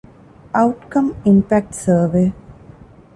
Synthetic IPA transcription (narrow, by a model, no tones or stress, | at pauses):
aʊʈkɐ̃mɪ̃mpæk̚ʈsəːʋeː